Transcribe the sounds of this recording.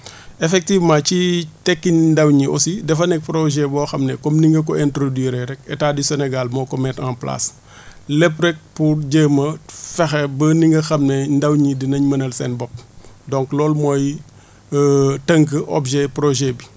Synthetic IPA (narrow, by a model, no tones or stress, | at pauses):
ɛfɛk̚tivmãːcitɛkːindɐwɲiʔɔ̰sidɛfɐnɛk̚pɾɔʒɛbɔːxɐmnɛkɔmniŋɡɐk̬ɔɛntɾodwiːɾɛɾɛkɛtaːdisɛnɛɡalmɔːkɔmɛːtanpla̰s | lɛprɛk̚puɾɟəːmɐfɛxɛbəniŋɡɐxɐmnɛndɐwɲidinɐɲmɐnɐlsɛnbɔp̚dɔ̃ŋklɔːlmɔj | tɐŋk̬əʔɔ̰bʒɛpɾɔʒɛbi